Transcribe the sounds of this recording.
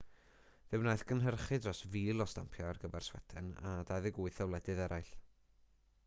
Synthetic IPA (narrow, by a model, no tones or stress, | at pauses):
ðɨwnaːjθɡənɦərχɨdrɔsviːlˠɔsta̰mpʰjɔarɡəvɛrswɛ̰tʰɨna̰dajðɨɡʊɨθɛwlˠɛdɨðɛɾajɬ